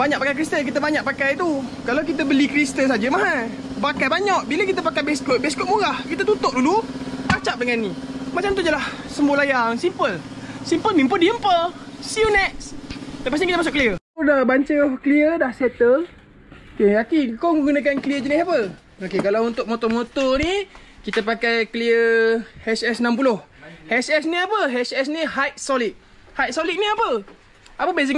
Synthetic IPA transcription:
baɲaʔ̚pakajkɾist̪ənk̬it̪əbaɲaʔ̚pakajt̪ukalawkit̪̬əbəlikɾist̪ənsad͡ʒəmaɦa | bakajbaɲaʔbiləkit̪əpakajbɛskot̪̚bɛskot̪̚muɾahkit̪at̪ut̪ʊʔ̚dulupat͡ʃap̚dəŋannimat͡ʃamt̪ud̪əlahsəmbolajaŋsimpəl | simpəlmimpəndiəmpəsiunɛk̚sləpas̬nikit̪əmasʊʔkəliə | dahbaɲt͡ʃəkəliədahsɛt̪ə | okeakikawməɡunak̬ankəliəd͡ʒənisapə | okekalawunt̪ʊk̚mot̪ɔmot̪ɔni | kit̪apakajkəliəhɛsɛsnãmpulʊhhɛsɛsniapəɦɛsɛsnihajt̪̚solit̪̚ | hajt̪̚solit̪̚niapə | apəbeziŋ

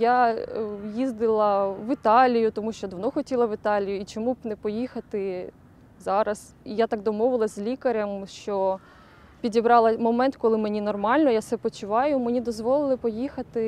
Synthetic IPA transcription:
ja | jizd̪ɪlˠɐʋɪt̪ɑlʲijʊt̪ɔmuʃt͡ʃɔd̪ɐʋnɔxɔtʲilˠɐʋɪt̪ɑlʲijʊit͡ʃɔmubnɛpɔjixɐt̪ɪ | zɑɾɐs | ijat̪ɑk̚d̪ɔmɔʋɪlˠɐzʲzʲlʲikɐɾʲɐmʃt͡ʃɔ | pʲidʲibɾɑlˠɐmɔmɛnt̪kɔlˠɪmenʲinɔrmɑlʲnɔjasɛpɔt͡ʃʊʋɑjʊmenʲid̪ɔzʋɔlˠɪlˠɪpɔjixɐt̪ɪ

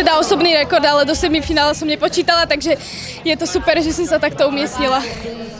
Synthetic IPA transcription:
ɛd̪aɔsɔbniːɾɛkɔɾd̪alɛd̪ɔsɛd̪mifinaːlɛsɔmɲɛpɔt͡ʃiːt̪alat̪aɡʒɛ | jɛt̪ɔsupɛɾʒɛsɛmsat̪akt̪ɔumɛsɲila

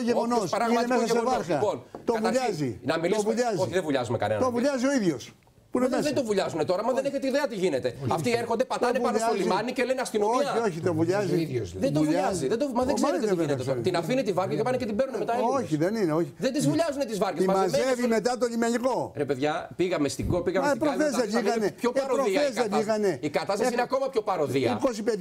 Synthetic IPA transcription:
ʝeɣonosɐinemesɐsevɐɾxɐpont̪ovuʎɐzinɐmiliovuʎɐzoçiðevuʎɐzumekɐ̰nenɐt̪ovuʎɐzio̞iðjʝo̞s | punemesðed̪ovuʎɐzunet̪o̞ɾɐmɐðeneçet̪eiðeɐt̪iʝinet̪eɐft̪ieɾxond̪epɐt̪oneuɐʎazlimɐnicelenɐskinooioçit̪ovuʎɐziioðed̪ouvʎɐɐziðed̪omɐzðeɡzeɾt̪veneetst̪inɐfinit̪ivɐɾɡɐkepɐnecet̪ibenunemet̪ɐoçiðenineo̞çiðend̪izvuʎɐzunet̪izvɐɾɡesisɐmɐzevime̞t̪ɐt̪oʎimeniko̞ɾepe̞ðʝɐpiɣɐmest̪iɡopiɣɐmɐepɾoθezðebiɣɐnepçoɐɾoɾoθiezðebiɣɐne̞ikɐt̪ɐst̪ɐsineɐko̞mɐpço̞pɐɾoðiɐikosipe

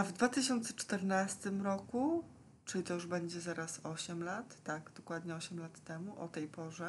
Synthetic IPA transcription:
avd̪vat̪ɘɕɔnt̪sɛt͡ʂt̪ɛɾnast̪ɘmɾɔku | t͡ʂɘlʲit̪ɔjuʐbɛɲd͡ʑɛzaɾasɔɕɛmlat̪ːaɡd̪̥ɔkwad̪ɲɛɔɕɛmlat̪ːɛmuʔɔt̪ɛjpɔʐɛ

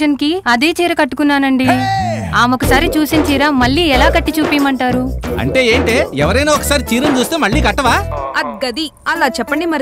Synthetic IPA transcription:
ɐnkiɐd̪eːt͡ʃiːɾɐkɐʈːukunːaːnɐɳɖiaːmokɐsaːɾit͡ʃuːsint͡ʃiːɾaːmɐɭːiːɛlaːkɐʈːit͡ʃuːpiːmɐɳʈaːɾuɐ̰ɳʈe̞ːeːɳʈeːɛʋɐɾɐjnaːɔkɐ̥saːɾit͡ʃiːɾɐnd͡ʒuːst̪eːmɐɭːiːɡɐʈːɐʋaːɐd̪̚ɡɐd̪iɐlaːt͡ʃɛpːɐɳɖimɐɾ

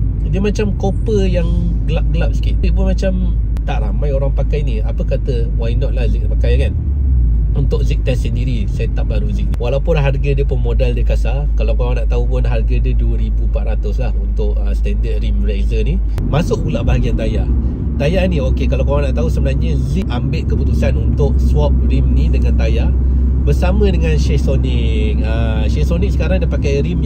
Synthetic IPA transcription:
diəmat͡ʃamkopəjaŋ | ɡəlap̚ɡəlap̚sə̥kiʔ̪ʔpʊnmat͡ʃam | t̪aʔramãjoɾaŋpakajniapəkat̪ə | wajnɔʔ̪̚lahzik̚pakajkan | unt̪ʊʔzik̚t̪ɛsəndiɾisajət̪aʔ̚baɾuzik̚niwalaupʊnɦarɡadiəpʊnmodaldəkasa | kalawkawaŋnaʔt̪aɦupʊnɦarɡadiəduəɾibupaʔ̪ɾat̪ʊslahunt̪ʊʔəsət̪ɛndət̪̚rimrajzəni | masʊk̚pulabaɦaɡiant̪aja | t̪ajaniokekalawkawaŋnaʔt̪aɦusəbənarɲəziʔ̚ambɪʔ̪̚kəput̪usanunt̪ʊʔswɔp̚rimnidəŋant̪aja | bərsamə̃dəŋanʃɛhsonɪ | ŋə | ʃɛhsoniʔsə̥kaɾaŋdiəpakajɾim

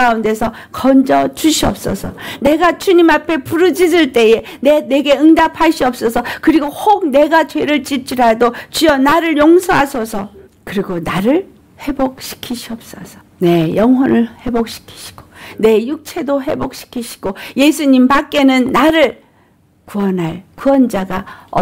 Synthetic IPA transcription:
aunde̞sʰʌ | kʌnd͡ʑʌt͡ɕuɕʰiʌp̚s͈ʌ̰sʰʌne̞ɡat͡ɕuɲimapʰe̞puɾɯd͡ʑisɯɭt͈e̞je̞ | nene̞ɡe̞ɯŋdapʰaɕ͈ʰiʌp̚s͈ʌsʰʌkɯɾiɡohoɡ̚ne̞ɡat͡ɕwe̞ɾɯɭt͡ɕ͈ip̚t͡ɕ͈ʰiɾadot͡ɕijʌnaɾɯɭjoŋsʰʌɦasʰʌsʰʌ | kɯɾiɡonaɾɯɭ | he̞bok̚ɕʰi̥kʰiɕʰiʌp̚s͈ʌsʰʌ̥ne̞jʌŋɦʌnɯɭhe̞bok̚ɕʰi̥kʰi̥ɕʰi̥ɡ̥o̥ne̞juk̚t͡ɕʰe̞doɦe̞̰bok̚ɕʰi̥kʰiɕʰi̥ɡ̥oje̞sʰuɲimpak͈e̞nɯnːaɾɯɭ | kuʌnɦaɭkuʌnd͡ʑaɡaʌ

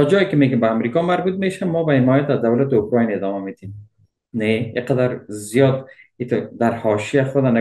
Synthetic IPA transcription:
ɔd͡ʒɒjɪkɪmeɡɪmbaːmɾikɒmaɾbut̪̚meʃamɔbahɪmɔjat̪azd̪awlat̪ɪʊkɾɑjnɪd̪ɒmamet̪ʰem | neiqad̪aɾzijɒd̪it̪ʊd̪aɾhɒʃijaxʊd̪ana

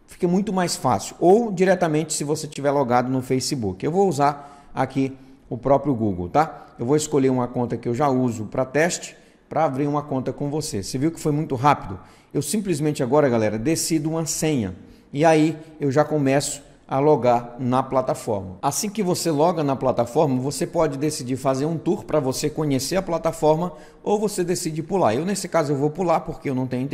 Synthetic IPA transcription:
fi̥kɐmũj̃t̪ʊmajsfa̰sɪʊ̥ʔowd͡ʒiɾɛt̪ɐmẽnt͡ʃɪ̥sɪvoset͡ʃivɛɾloɡad̪ʊnʊfejsibukɪewvowuzaɾ | a̰ki | ʊpɾɔpɾjʊɡuɡo̰wt̪aewvowɪskoʎeɾũmɐkõnt̪ɐkɪewʒauzʊpɾɐt̪ɛst͡ʃɪ̥ | pɾɐabɾiɾũmɐkõnt̪ɐkõw̃voseseviwʊkɪ̥fojmũj̃t̪ʊɦapid̪ʊ | ewsĩplizmẽnt͡ʃɪaɡɔɾɐɡalɛɾɐd̪esid̪ʊũmɐsẽɲɐ̰ | iaiewʒakomɛsʊ̥ | ɐloɡaɾnɐplat̪afɔ̰ɾmɐasĩkɪvoselɔɡɐnɐplat̪afɔɾmɐvosepɔd͡ʒɪd̪esid͡ʒiɾfazeɾũt̪uɾpɾɐvosekõɲeseɾɐplat̪afɔɾmɐ | owvosed̪esid͡ʒɪpulaɾewnesɪkazʊewvowpulaɾpoɾkeewnɐ̃w̃t̪ẽɲʊ̃ĩt̪

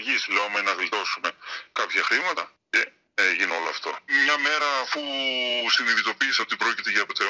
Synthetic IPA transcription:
ʝisleomenɐvilt̪o̞sume̞kɐpçɐxɾimɐt̪ɐ | ce | eʝino̞̰loɐft̪o̞̰mɲɐme̞ɾɐːfusiniðit̪o̞piːseo̞t̪ipɾo̞cit̪e̞ʝɐepot̪e

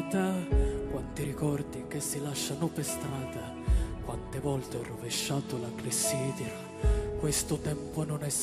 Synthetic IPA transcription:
t̪akwant̪iɾikɔrd̪ik̟esːilaʃːanɔpest̪ɾaːd̪a | kwant̪evɔlt̪eɔrːoveʃːaːt̪olaklisːiːd̪iɾ | kwest̪ʊt̪ɛmponʊnɛs

